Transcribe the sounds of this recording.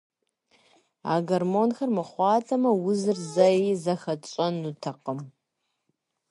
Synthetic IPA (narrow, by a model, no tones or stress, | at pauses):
a̰ːɡɐrmoːnxɐrmɨχʷɑːtʰɐmɐwʊzɨrzɐizɐxɐt͡ʃʼɔnutʰɐqəm